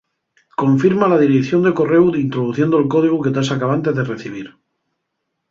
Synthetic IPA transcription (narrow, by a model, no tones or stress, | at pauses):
ko̞ɱfiɾmalað̞iɾekθjo̞nd̪e̞ko̞re̞wint̪ɾoðuθje̞nd̪olko̞ð̞iɣ̞uke̞t̪asakaβant̪ezðere̞θiβ̞iɾ